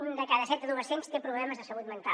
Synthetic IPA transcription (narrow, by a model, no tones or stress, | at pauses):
nd̪əkaðəsɛt̪əðuəsenst̪epɾuβlɛməzðəsəlut̪mənt̪a